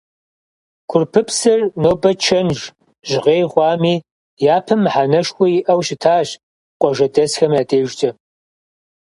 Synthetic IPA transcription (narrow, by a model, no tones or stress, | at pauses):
kʷʰʊrpʰɨpsɨrnoːbɐt͡ʃʰɐnʒ | ʒʁeːjʁʷɑːmiː | jaːpʰɨmħanɐʂkʷʊɪʔɐwɕɪtʰaːɕ | qʷʼɔʒɐdɐsxɐmjaːdeːʒd͡ʒʼɐ